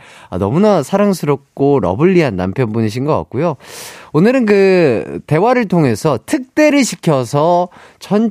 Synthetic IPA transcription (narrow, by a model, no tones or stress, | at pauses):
a̰nʌmunasʰaɾaŋsʰɯɾʌp̚k͈oɾʌ̰bɯʎːiɦanːa̰mpʰjʌnbuniɕ̬ʰinɡʌk͈a̰k̚k͈ujoonɯɾɯnkɯte̞waɾɯɭtʰoŋe̞sʰʌtʰɯk̚t͈e̞ɾɯɭɕʰikʰjʌsʰʌ | t͡ɕʰʌn